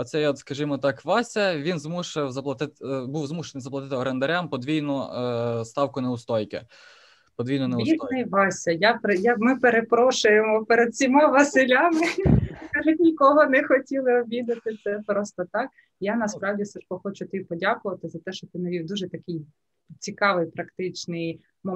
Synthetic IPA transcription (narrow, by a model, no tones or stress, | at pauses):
ɐt̪sɛjɔt̪skɐʒimɔt̪ɑkʋɑsʲɐʋʲinzmuʃewzɐplˠɐt̪ɪt̪buwzmuʃenɪjzɐplˠɐt̪ɪt̪ɪɔɾend̪ɐɾʲampɔd̪ʋʲijnɔst̪ɑwkʊneʊst̪ɔjkɪ̰ | pɔd̪ʋijnɔnɛit̪nɛjʋɑsʲɐjapjamɪpeɾepɾɔʃʊjemɔpeɾed̪̥̚sʲimɑʋɐsɪlʲamɪkɑʒʊtʲnʲikɔɦɔnɛxɔtʲilˠɪɔʋʲid̪ɐt̪ɪt̪sɛpɾɔst̪ɔt̪ɑk̚ | janɐspɾɑwdʲisɪʃkɔxɔt͡ʃʊt̪ɪipɔdʲakʊʋɐt̪ɪzɐt̪ɛʃt͡ʃɔt̪ɪnɐʋʲiwd̪uʒɛt̪ɐkɪj | t͡sʲikɑʋɪjpɾɐkt̪ɪt͡ʃnɪj | mɔ